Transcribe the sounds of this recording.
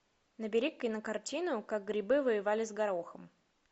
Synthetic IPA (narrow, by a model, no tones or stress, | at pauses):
nəbʲɪɾʲikːəjnəkɐrtʲinʊkaɡ̚ɡɾʲɪbɨvəjɪvalʲɪzɡɐɾoxəm